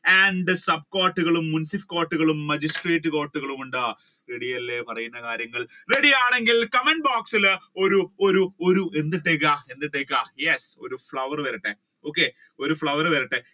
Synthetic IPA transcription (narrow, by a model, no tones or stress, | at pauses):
aːɳɖɨsɐb̚koːʈːuɣɐɭumːunsifkoːʈːuɣɐɭumːɐd͡ʑisʈreːtːɨkoːʈːuɣɐɭumuɳɖaː | reɽijɐlːepɐrɐjunːɐkaːɾjɐŋːɐɭreɽijaːɳe̞ŋɡilkɐmeɳɖbaːksilo̞ɾuo̞ɾuo̞ɾue̞nd̪ːiʈːeːk̬ːaːe̞nːiʈːeːkːaːjeso̞̰ɾufɭɐʋɐrʋɐɾɐʈːe | o̞ːkːe | o̞ɾufɭɐʋɐɾʋɐɾɐʈːe